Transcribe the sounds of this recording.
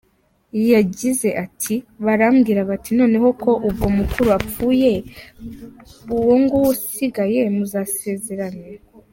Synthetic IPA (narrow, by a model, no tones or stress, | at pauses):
jaɟize̞ʔatʰiβaɾamɡiːɾaβatino̞ːne̞ɦo̞kʰo̞ʔubɡo̞mukuɾuap͡fuːje̞ | uwoŋɡowusiɡaje̞muzase̞ːze̞ɾaɲe